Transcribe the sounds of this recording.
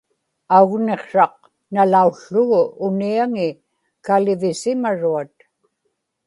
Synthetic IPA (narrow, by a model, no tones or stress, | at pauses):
auɣne̞qʂɑq̚ | nalauɬːʊɣʊʔːniaŋɪ | kalɪvɪsɪmaɻuat̪